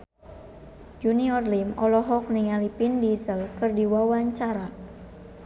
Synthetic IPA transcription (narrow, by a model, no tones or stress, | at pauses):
d͡ʒuniɔrlimɔlɔɦɔk̚niŋalipindisəlkɨrdiwawaɲt͡ʃaɾa